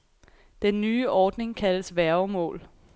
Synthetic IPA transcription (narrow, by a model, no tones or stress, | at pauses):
d̥enːyːʔɒːd̥ne̝ŋkʰæləsʋæɐʊmɔ̰̽ːl